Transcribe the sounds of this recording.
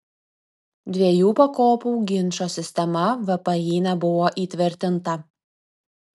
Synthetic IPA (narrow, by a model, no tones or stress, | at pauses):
d̪ʲʋʲiɛjuːpɐkoːpuːɡʲɪnʃoːsʲɪsʲt̪ʲɛmɐʋɐpɐjiːnʲɛbʊʋoːʔiːt̪ʲʋʲɪɾʲt̪ʲɪnt̪ɐ